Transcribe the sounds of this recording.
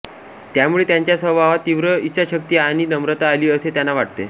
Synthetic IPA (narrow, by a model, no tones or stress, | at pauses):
t̪jamuɭet̪jaɲt͡ɕjasəbʱaʋat̪ːiʋɾəitːɕaɕək̚t̪iːaɽ̃inəmɾət̪aːliːəset̪janːaʋaʈt̪ḛ